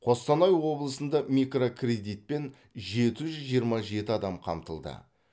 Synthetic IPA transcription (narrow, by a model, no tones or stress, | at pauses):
qʰo̞st̪ɑnɑjwo̞blˠəsənd̪ɑmikrokʰrʲe̞d̪ijt̪̚pe̞n | ʒe̞t̪ɪʒʏzʒijəɾmɑʒe̞t̪ɪɑd̪ɑmqʰɑ̰mt̪əlˠd̪ə̰